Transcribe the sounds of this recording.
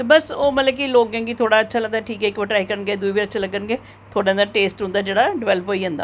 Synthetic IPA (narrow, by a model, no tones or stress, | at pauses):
t̪ebəsoːmət̪ləbkiloːɡẽːɡit̪ʰoːɽaːətːʃʰaːləɡd̪aːʈʰiːkɛːɪkʋəʈɾaːikəɾənɡeːd̪uiːbiətːʃʰaːləɡənɡeː | t̪ʰoːɽeənd̪aːʈeːsʈɦʊ̃nd̪aːd͡ʒeːɽaːɖɪʋɛːləpoːiːɦʊ̃nd̪a̰ː